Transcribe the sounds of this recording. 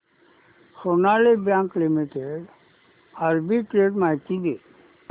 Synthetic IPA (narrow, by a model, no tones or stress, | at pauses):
sonalebjãŋklimiʈeɖ | aɾbiʈɾeɖmajt̪id̪e